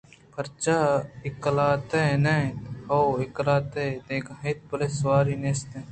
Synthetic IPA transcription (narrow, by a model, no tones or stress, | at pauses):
pʰɐɾt͡ʃaɪklaːt̪enehoːɪklaːt̪ed̪eːkɦeːt̪̚pɐleswaːɾiːneːst̪ẽ